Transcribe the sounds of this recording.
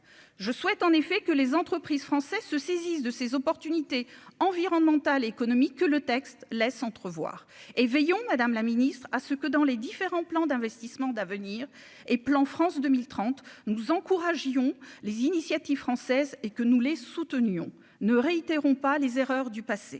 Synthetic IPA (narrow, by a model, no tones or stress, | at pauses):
ʒəswɛt̪ɑ̃nefɛkəlezɑ̃t̪χəpχizfχɑ̃sɛzsəsezisd̪əsezɔpɔʁt̪ynit̪eɑ̃viʁɔnmɑ̃t̪aleːkɔnɔmikʰːələt̪ɛkst̪lɛsɑ̃t̪χəvwa̰ːʁ | evɛjɔ̃mad̪amlaminist̪χasəkəd̪ɑ̃led̪ifeʁɑ̃plɑ̃d̪ɛ̃vɛst̪ismɑ̃d̪avəniʁ | eplɑ̃fχɑ̃sd̪əmilt̪χɑ̃t̪nuzɑ̃kuʁaʒjɔ̃lezinisjat̪ivfχɑ̃sɛzekənulesut̪ənjɔ̰̃ | nəʁeit̪eʁɔ̃palezeʁœʁd̪ypasḛ